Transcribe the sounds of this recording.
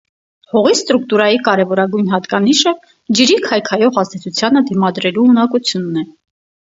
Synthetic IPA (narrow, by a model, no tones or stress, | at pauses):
hɔʁist̪ɾukt̪uɾɑjikɑɾɛvɔɾɑɡujnɦɑt̪kɑniʃə | d͡ʒəɾikʰɑjkʰɑjɔʁɑzt̪ɛt͡sʰut͡sʰjɑnəd̪imɑd̪ɾɛluunɑkut͡sʰjunːɛ